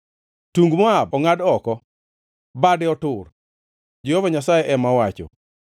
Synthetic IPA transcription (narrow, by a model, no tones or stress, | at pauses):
tuŋɡmɔabɔŋadɔkɔ | badɪɔtʊr | d͡ʒehɔvaɲasajɛʔɛmawat͡ʃɔ̰